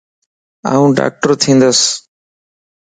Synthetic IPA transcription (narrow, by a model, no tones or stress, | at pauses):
a̰ːũːɖa̰ːk̚ʈəɾt̪ʰĩːnd̪əs